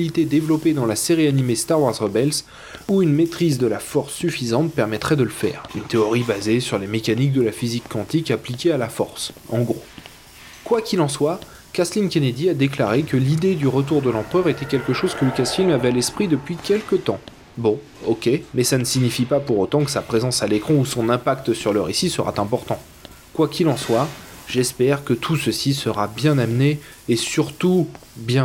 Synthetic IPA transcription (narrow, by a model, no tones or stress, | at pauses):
lit̪ed̪evlɔped̪ɑ̃laseʁianimest̪aʁwaʁzʁəbɛls | uynmet̪χizd̪əlafɔʁsːyfizɑ̃t̪̚pɛʁmɛt̪χɛd̪ələfɛ̰ːʁynt̪eɔʁibazesyʁlemekanik̚d̪əlafizikːɑ̃t̪ikaplikʲealafɔ̰ʁsɑ̰̃ɡʁo | kwakʲilɑ̃swa | kʲaslinkʲened̪iad̪eklaʁekəlid̪ed̪yʁət̪̬uʁd̪əlɑ̃pχœʁet̪ɛkʲɛlkəʃoz̥kələkasfilmavɛalɛspχid̪əpɥikʲɛlkət̪ɑ̃ | bɔ̃ | ɔkʲemɛsanəsiɲifipapuʁot̪ɑ̃kə̥sapχezɑ̃salekχɔ̃usɔ̃nɛ̃pakt̪syʁləʁḛsisəʁa̰t̪ɛ̃pɔʁt̪ɑ̃ | kwakʲilɑ̃swaʒɛspɛʁkət̪ʰusəsisəʁabjɛ̃namneː | syʁt̪u | bjɛ̃